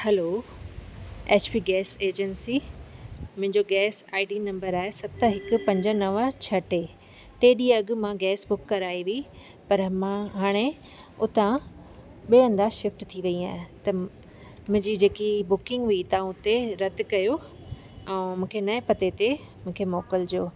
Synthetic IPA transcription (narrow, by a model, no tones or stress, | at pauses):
hɛloː | eːt͡ɕpiːɡɛːseːd͡ʑənsi | m̃ɦɪ̃ɲd͡ʑoɡɛːsaːiɖinɐ̃mbəɾaːɦesɐt̪əɦɪkʊ̆pɐ̃ɲd͡ʑənɐʋt͡ɕʰɐʈe | ʈeːɗiɐɠ̆mãɡɛːsbʊkːɐɾaːiʋi | pɐɾmãɦaːɽ̃e | ʊt̪ã | ɓeːə̃nd̪aːʃɪfʈt̪ʰiʋɐia̰ːɦɪ̃t̪ɐ | mʊ̃ɦɪ̃ɲd͡ʑid͡ʑeːkibʊkɪ̃ŋɡʋit̪ãʊt̪eɾɐt̪ɪkɐjo | ɛ̃ːmũːkʰenɐepɐt̪et̪e | mũːkʰemɔːkəld͡ʑoː